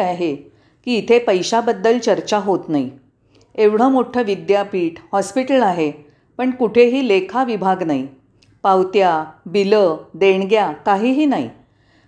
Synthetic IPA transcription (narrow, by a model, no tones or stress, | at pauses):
aɦe | kiːt̪ʰepəjɕabəd̪ːəlt͡ɕəɾt͡ɕaɦot̪nai | eʋɽ̤əmoʈʰəʋid̪japiːʈhɔspiʈəlaɦe | pəɳkuʈʰeɦiːlekʰaʋibʱaɡnai | pawt̪jabiləd̪eɳɡjakaɦiːɦiːnaḭ